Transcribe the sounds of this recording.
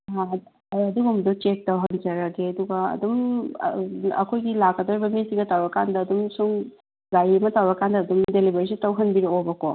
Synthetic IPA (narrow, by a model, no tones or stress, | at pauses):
ɦa | ɐd̪uɡumdot͡ʃek̚tɐwɦɐnd͡ʒɐɾaɡeɐd̪uɡɐɐ̰d̪um | ɐ̰kʰojɡilakːɐd̪oɾibɐmisiŋɡɐtawɾɐkandɐːd̪umsuŋ | ɡajmɐtawɾɐkandɐːd̪umdelibɐɾisitɐwɦɐnbiɾoobɐko